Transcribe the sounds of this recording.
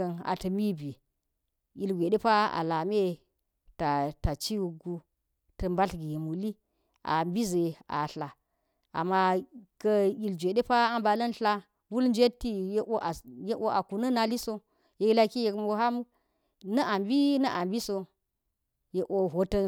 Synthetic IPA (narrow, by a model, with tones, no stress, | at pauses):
ɐ˨na̰˨tɐ˨mi˦bi˨ | i˨lɡʷe˨de˦pa˦a̰˨la˨me˦ | ta˨ta˨t͡ʃi˦wu˨ɡu˦ | tɐ˨mba˦ɬɡi˨je˨mu˨li˦ | ʔa̰˨mbi˦ze˨a̰˨ɬa˨ | a̰˨mːa˦kɐ˦i˨ld͡ʒʷe˨de˦pa˦a˦mba˨lɐ˦nɬa˦ | wu˦lnd͡ʒe˦tːi˦je˦ʔo˦ʔa˨je˦ʔo˦ʔa˨ku˨nɐ˦na˨li˦so˦ | je˦i˦la˦ki˦je˨kmo˦ɦa˦mu˦ | nɐ˦ʔa˨mbi˦nɐ˦ʔa˨mbi˦so˦ | je˨ʔo˦ɦo˨tɐ˦